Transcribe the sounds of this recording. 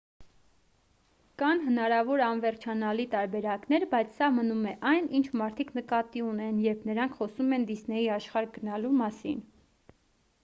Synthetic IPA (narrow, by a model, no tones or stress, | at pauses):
kɑnɦənɑɾɑvɔɾɑnvɛɾt͡ʃʰɑnɑlit̪ɑɾbɛɾɑkn̪ɛɾbɑjt͡sʰsɑmənumɛʔɑjnʔint͡ʃʰmɑɾt̪ʰiknəkɑt̪iunɛnjɛɾpʰnəɾɑŋkʰχɔsumɛnd̪isnɛjiɑʃχɑɾɡənɑlumɑsḭn